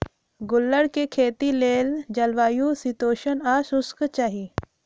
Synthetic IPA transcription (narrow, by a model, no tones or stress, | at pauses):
ɡʊlːəɽkekʰeːt̪ileːld͡ʒɐlʋaːjusit̪oːʃənaːsʊskt͡ʃaːɦi